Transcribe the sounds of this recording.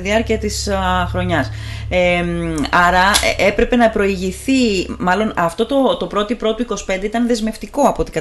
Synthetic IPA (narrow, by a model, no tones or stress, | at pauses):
ðiɐɾciɐt̪isxɾo̞ɲɐsemɐɾɐe̞pɾe̞pe̞nɐpɾo̞iʝiθimɐlo̞nɐft̪o̞t̪o̞t̪o̞pɾo̞t̪ipɾo̞t̪oiko̞si̥pe̞nd̪e̞it̪ɐnðe̞zme̞ft̪iko̞ɐpot̪i̥kɐ